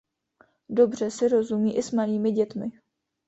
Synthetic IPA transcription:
do̞br̝ɛsɪɾo̞zumiːʔɪsmaliːmɪɟɛt̪mɪ

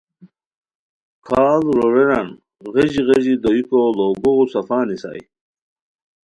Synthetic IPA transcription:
kʰaːlɾoɾeɾan | ɣeʑiɣeʑid̪oikoloːɡoɣusɐfaːnisa̰ːj

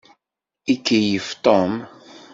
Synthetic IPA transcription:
ikːijəft̪om

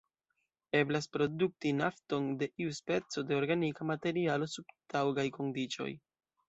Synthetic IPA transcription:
e̞blaspɾo̞duk̚tinafto̞nde̞ʔiuspe̞t͡so̞de̞o̞ɾɡanikamate̞ɾialo̞subtawɡajko̞ndit͡ʃo̞̰j

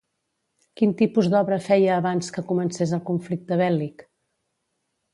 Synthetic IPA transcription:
kint̪ipuzd̪ɔβɾəfɛjəːβanskəkumənsezəlˠkuɱflik̚t̪əβ̞ɛlik

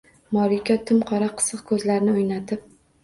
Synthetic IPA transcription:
mɒɾikʲat̪ʰɪmqʰɒɾaqʰɨ̥sɨqkʰɵzlaɾɪnɪʊjnat̪ʰɪp̚

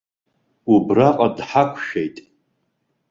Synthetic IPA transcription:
ubraqʼadħakʷʰʃᶣejtʼ

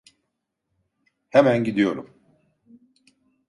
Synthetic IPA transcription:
hemænɟid̪ijo̞ɾṵm

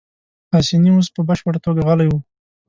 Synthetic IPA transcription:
hasinios̬pəbaʃpəɽat̪oɡaɣalajwu

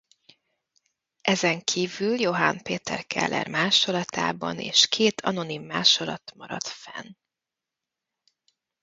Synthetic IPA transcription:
ʔɛzɛŋkʰiːvyljo̞ɦanpeːt̪ɛrkɛ̰lːʔɛ̰rmaːʃo̞lɒt̪ʰaːbɒnḛːʃkʰeːt̪ʰɒno̞nimːaːʃo̞lɒt̪mɒɾɒt̪fɛn

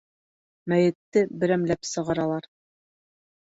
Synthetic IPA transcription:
mæjɘ̆t̪ːɘbɘ̆ɾæmlæpsɤ̆ʁɑɾɑlˠɑɾ

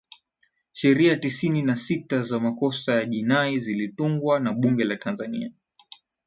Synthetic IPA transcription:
ʃɛɾiatisininasitazamakɔsajaʄinaizilituŋɡwanaɓuŋɡɛlatʰanzanḭa

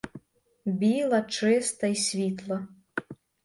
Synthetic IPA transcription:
bʲilˠɐt͡ʂɨst̪ɐisʲvʲit̪lˠɐ

